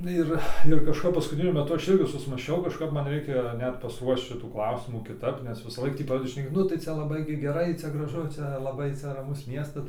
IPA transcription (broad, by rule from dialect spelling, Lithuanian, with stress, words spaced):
ˈɪr ɪr kɐʃˈkɐp pɐskʊtʲɪˈnʲʊ mʲɛˈtʊ ˈɐʃ ˈɪrʲɡʲɪ sʊsmɑːsʲˈt͡ʃʲɛʊ kɐʃˈkɐp ˈmɐn ˈrʲɛɪkʲɛ ˈnʲɛt pɐsˈruɔʃt͡ʃ ˈʃʲɪtuː ˈklˠɐʊsʲɪmuː kʲɪˈtɐp nʲɛs ʋʲɪsɑːˈlˠɐɪk tʲiː ˈprɑːdʲɛdʲɪ ʃʲnʲɛˈkʲeː ˈnʊ tɐɪ ˈt͡sʲɛ lˠɐˈbɐɪ ɡʲɪ ɡʲɛˈrɐɪ ˈt͡sʲɛ ɡrɐˈʒʊ ˈt͡ʃʲɛ lˠɐˈbɐɪ ˈt͡sʲɛ rɐˈmʊs ˈmʲiɛstɐs